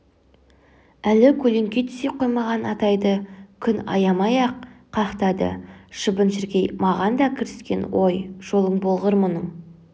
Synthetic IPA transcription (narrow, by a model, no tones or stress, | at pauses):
ælɪkʲʰɵle̞ŋkʲet̪ʰʏ̥seqʰo̞jmɑʁɑnɑt̪ɑjd̪əkʲʰʏnɑ̰jɑmɑjɑq̚ʰː | ɑχqt̪ɑd̪ə̰ʃəbənʃɪɾɡʲejmɑʁɑnd̪ɑkʲʰɪɾɪskʲe̞nwo̞jʒ̥o̞lˠəɴbo̞lˠʁəɾmʊnəɴ